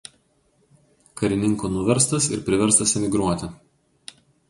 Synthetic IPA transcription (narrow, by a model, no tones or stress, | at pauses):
kɐɾʲɪnʲɪŋkoːnʊʋʲɛɾst̪ɐsɪ̰ɾpʲɾʲɪʋʲɛɾst̪ɐsɛmʲɪɡɾuɔt̪ʲɪ